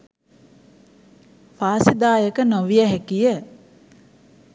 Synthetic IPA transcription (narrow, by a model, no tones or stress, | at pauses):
faːsid̪aːjəkənoʋijəɦɛkijə